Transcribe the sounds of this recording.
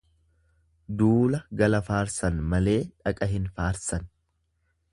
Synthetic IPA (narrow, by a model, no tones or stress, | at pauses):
d̪uːlɐɡɐlɐfaːɾsɐnmɐle̞ːᶑɐkʼɐɦɪnfaːɾsɐn